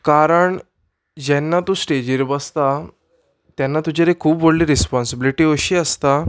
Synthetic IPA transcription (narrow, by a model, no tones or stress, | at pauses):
kaɾəɳ | d͡ʑɛnːat̪ũːsʈed͡ʑiɾbəst̪a | t̪jɛnːat̪ud͡ʑaɾekʰuːpʋoɽliɾispɔnsəbiliʈiːəɕiːəst̪a